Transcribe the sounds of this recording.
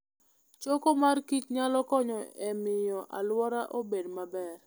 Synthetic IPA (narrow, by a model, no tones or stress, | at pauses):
t͡ʃokomarkit͡ʃɲalɔkɔɲɔɛmɪjɔʔa̰lwɔɾaʔobedmabɛr